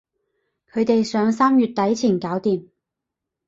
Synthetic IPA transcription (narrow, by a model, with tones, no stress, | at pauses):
kʰɵ˨˧ɥt̪e˨jsœː˨˧ŋsaː˥mjyː˨t̚t̪ɐ˨˥jt͡sʰiː˨˩nkaː˨˥wt̪iː˨m